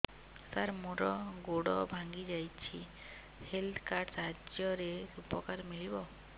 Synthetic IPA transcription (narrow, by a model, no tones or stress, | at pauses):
saɾmoɾɔɡoɽɔbʱaŋɡid͡ʒajt͡ʃʰi | helt̪ʰkaɾɖsaɦad͡ʒjɔɾeupɔkaɾmiɭibɔ